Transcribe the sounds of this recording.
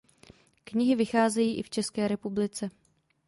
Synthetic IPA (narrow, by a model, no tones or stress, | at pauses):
kɲɪɦɪvɪxaːzɛjiːʔɪft͡ʃɛskɛːɾɛpublɪt͡sɛ